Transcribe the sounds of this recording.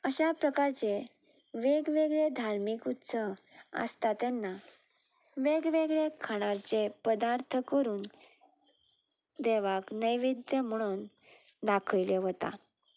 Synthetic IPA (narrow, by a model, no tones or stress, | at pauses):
əɕapɾəkaɾt͡se | ʋeɡʋeɡɭed̪ʱaɾmikut̪səʋə̰st̪at̪janːa | ʋeɡʋeɡɭekʰaɽ̃aɾt͡sepəd̪aɾt̪ʰəkəɾuːn | d̪eʋaknəjʋid̪jəm̤əɽ̃uːnd̪akʰəjleɦot̪a̰